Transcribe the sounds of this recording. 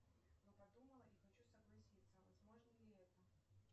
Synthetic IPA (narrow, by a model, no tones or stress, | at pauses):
nopɐd̪uməlˠəʔixɐt͡ɕusəɡlˠɐsʲit̪sːəvɐzmo̞ʐnəlʲɪɛt̪ə